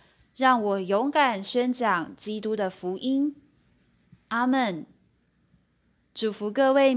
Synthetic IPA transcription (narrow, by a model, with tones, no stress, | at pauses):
ɻɑ˥˩ŋwɔ˨˩jo˧˥ŋka˨˩nɕɥɛ˥˦nt͡ɕjɑ˨˩ŋt͡ɕi˦t̪u˥d̪ə˨fu˨˧˥ʔi˦˥n | ʔa˥mə˨˩n | ʈ͡ʂu˨˩fu˨˧˥kɤ˥˧we˥˩ɪ